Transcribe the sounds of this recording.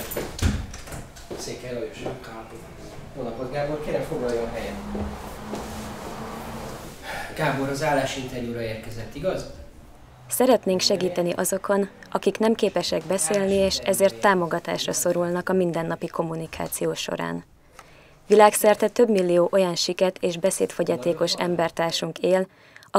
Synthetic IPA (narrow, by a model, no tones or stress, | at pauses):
seːkɛloʃ | onɒpod̪ɡaːborkɛɾɛfoɡlɒjɔɦɛjɛn | ɡ̥aːboɾɒzaːlːaːʃint̪ɛɾjuːɾɒeːrkɛzɛt̪ːiɡɒz | sɛɾɛt̪neːŋkʃɛɡiːt̪ɛniʔɒzo̞kʰo̞nʔɒkiknɛmkeːpɛʃɛɡbɛseːlnieːʃɛzeːrt̪ːaːmo̞ɡɒt̪a̰ːʃrɒso̞ɾulnɒkɒmind̪ɛnːɒpiko̞mːunikʰa̰ːt̪sijoːʃo̞̰ɾa̰ːn | ʋilaːksɛrt̪ɛt̪ø̞bmilːijoːʔojɒnʃikɛt̪ʰeːʒbɛsḛːt̪fo̞ɟɒt̪eːko̞ʃɛmbɛrt̪aːrʃuŋkeːl | ɒ